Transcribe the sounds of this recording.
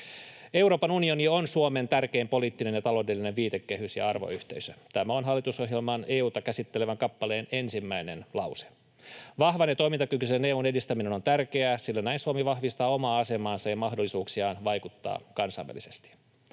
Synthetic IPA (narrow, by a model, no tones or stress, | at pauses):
e̞wɾo̞ːpɑnunio̞nionsuome̞nt̪ærkeːmpo̞liːt̪ːine̞njɑt̪ɑlo̞ːdelːineʋʋiːt̪ekːe̞hysjɑ̰ɑrʋo̰yht̪e̞isøt̪æmæo̞nɦɑlːit̪uso̞ɦjelmɑneːuːt̪ɑkæsit̪ːeleʋæŋkɑpːɑle̞ːne̞nsimːæine̞nlɑwse̥ | ʋɑhʋɑnet̪o̞imint̪ɑkykyseneːuːne̞dist̪æmineno̞nt̪ærke̞æsilːænæinsuomiʋɑhʋist̪ɑːo̞mɑːɑse̞mɑːnsɑjɑmɑɦdolːisuːksiɑːnʋɑjkut̪ːɑ̰ːkɑnsɑ̰ːʋæ̰lːˑise̞st̪i̥